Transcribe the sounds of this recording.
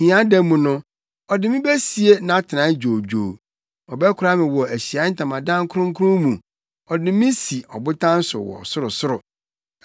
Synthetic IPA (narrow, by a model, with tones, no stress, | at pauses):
hĩ˨˦ã˦dɛ˦mũ˨nʊ̃˦ | ɔ˨dɪ˨mɪ̃˦bɛ˦si˨e˦nã˨˦a˦tʰɪ˨ã˨˦d͡ʑᶣo˨d͡ʑᶣoː˨ | ɔ˨bɛ˦kʰʊ˨˦ɾa˦mɪ̃˨wɔ˨æ˨ɕi˨a˨˦n̩˦tʰã˨mã˨dã˦ŋ˦kʰʊ˦ɾʊ̃˦ŋ̩˦kʰʊ˦ɾʊ̃˦mũ˨ | ɔ˨dɪ˨mɪ̃˦si˨ɔ˨bʊ˦tʰã˦n̩˦sʊ̰˨wɔ̰˨sʊ˦ɾʊ˨sʊ˦ɾʊ˨